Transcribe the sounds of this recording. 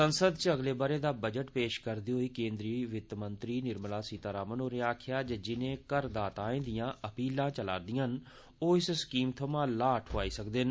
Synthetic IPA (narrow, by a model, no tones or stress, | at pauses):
sənsəd̪̚t͡ʃəɡleːbaːɾeːd̪aːbəd͡ʒəʈpeːʃkəɾd̪iːɦoːiːkẽːnd̪ɾiːʋɪt̪mənt̪ɾiːnɪɾmlaːsiːt̪aːɾaːmənoːɾeaːkʰɪjaːd͡ʒəd͡ʒɪnẽːkəɾd̪aːt̪ãːẽːd̪ijãːʔəpiːlãːt͡ʃəla̰ːɾd̪ijãn | oːɪsskiːmt̪ʰəmãːlaːʈʰoaːiːsəkd̪ɪn